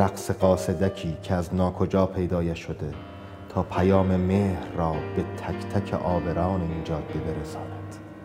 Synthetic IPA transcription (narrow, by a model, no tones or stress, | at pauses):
æqse̞ɢɒːse̞d̪æcʰiːcʰeæznɒːkʰo̞d͡ʒɒːpʰe̞jd̪ɒːjæʃod̪e̞ | t̪ʰɒːpʰæjɒːmemeːhɾːɒːbe̞t̪ʰækʰt̪ʰæcʰḛʔɒːbe̞ɾɒːneiːd͡ʒɒːd̪̚bebeɾesɒːnæd̪̥